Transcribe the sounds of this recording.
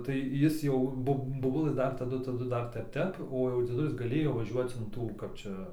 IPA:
tɐɪ ˈjɪs jɛʊ ˈboːp boːˈbʊlˠə ˈdɐr tɐˈdʊ tɐˈdʊ ˈdɐr ˈtʲɛp ˈtʲɛp oː jɛʊ d͡zʲiɛˈdʊlʲɪs ɡɐˈlʲeːjoː ʋɐˈʒʲuɔt͡s ɪn ˈtuː ˈkɐp t͡ʃʲɛ

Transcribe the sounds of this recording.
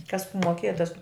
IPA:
kɐs moːˈkʲeːjɛ tɐs

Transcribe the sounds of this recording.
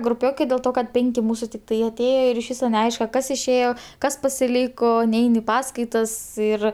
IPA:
ɡrʊˈpʲoːkɐɪ dʲeːlˠ ˈtoː kɐt ˈpʲɛŋʲkʲɪ ˈmuːsʊ tʲɪkˈtɐɪ ɐˈtʲeːjoː ɪr ɪʃ ˈʋʲiːsoː nʲɛˈɐɪʃkɐ ˈkɐs ɪʃʲˈeːjoː ˈkɐs pɐsʲɪˈlʲiːkoː ˈnʲɛɪn ɪ ˈpɑːskɐɪtɐs ˈɪr

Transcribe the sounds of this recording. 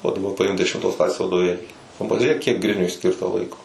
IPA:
oː dɐˈbɐ pɐˈɪmk dʲɛʃʲɪmˈtoːs ˈklˠɑːsʲeːs ʋɐdoːˈʋʲeːlʲiː nʊ pɐʒʲʊˈrʲeːk kʲiɛk ˈɡrʲɪnʲʊɪ ˈsʲkʲɪrtɐ ˈlˠɐɪkoː

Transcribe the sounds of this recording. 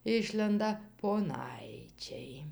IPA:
ˈɪʃʲlʲɛndɐ poːˈnɐɪt͡ʃʲɛɪ

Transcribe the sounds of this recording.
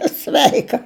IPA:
ɐ ˈsʲʋʲɛɪkɐ

